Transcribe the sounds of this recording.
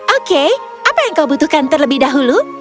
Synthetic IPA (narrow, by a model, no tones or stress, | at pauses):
ʔoke | ʔapajaəŋkawbut̪ʊhkant̪ərləbɪhdaɦulu